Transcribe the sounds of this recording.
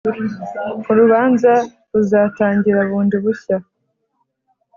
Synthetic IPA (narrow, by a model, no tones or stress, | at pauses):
uɾuβaːnza | ɾuzaːtaːɲɟiɾaβuːndiβuça